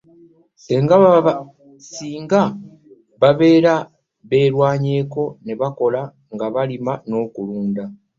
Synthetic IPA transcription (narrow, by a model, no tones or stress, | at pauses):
e̞ŋɡaβa | siːŋɡa | βaβe̞ːɾa | βe̞ːɾwaːɲe̞ːko̞ne̞βako̞la | ŋɡaβalimano̞ːkuluːnd̪a